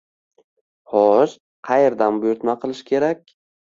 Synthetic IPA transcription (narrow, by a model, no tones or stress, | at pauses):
hɒʃ | qʰɑjeɾd̪anbʊjʊɾt̪maqʰɨlˠɪʃkʲʰe̞ɾakʲ